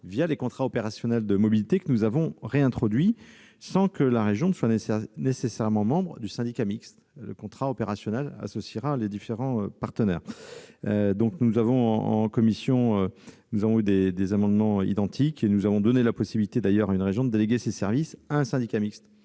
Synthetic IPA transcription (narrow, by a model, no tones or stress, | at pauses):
vjalekɔ̃t̪χaɔpeʁasjɔnɛld̪əmɔbilit̪ekənuzavɔ̃ʁeɛ̃t̪χɔd̪ɥi | sɑ̃kəlaʁeʒjɔ̃nswannesesɛʁmɑ̃mɑ̃bʁəd̪ysɛ̃d̪ikʲamikst̪ | lə̰kɔ̃t̪χaɔpeʁasjɔnɛla̰sɔsiʁaled̪ifeʁɑ̃øpaʁt̪ənɛːʁød̪ɔ̃knuzavɔ̃ɑ̰̃kɔmisjɔ̃ønuzavɔ̃yd̪ed̪ezamɑ̃d̪mɑ̃ḭd̪ɑ̃t̪ʰikenuzavɔ̃d̪ɔnelapɔsibilit̪ed̪ajœʁaynʁeʒjɔ̃d̪əd̪eleɡʲesesɛʁvisaɛ̃sɛ̃d̪ikʲamikst̪